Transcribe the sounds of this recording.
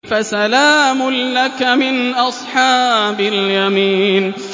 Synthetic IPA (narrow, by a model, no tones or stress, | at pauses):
fasalaːmʊnlakmɪnʔɑsˤħɑːbaljamiːn